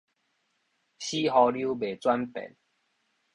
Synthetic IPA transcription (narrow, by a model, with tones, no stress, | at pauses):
ɕi˦ɦɔ˧lju˦be˨˩t͡swa˦npḛ˨˩˦n